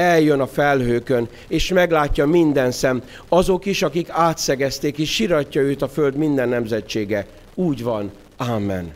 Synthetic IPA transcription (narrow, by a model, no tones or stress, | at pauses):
ɛljønɒfɛlhøːkø̞n | eːʃmɛɡlaːcːɒmind̪ɛnsɛm | ɒzo̞kiʃɒkikaːt̪sɛɡɛst̪eːkeːʃʃiɾɒcːɒøːt̪ɒføld̪mind̪ɛnːɛmzɛt͡ʃːeːɡɛ | uːɟʋɒn | aːmːɛ̰n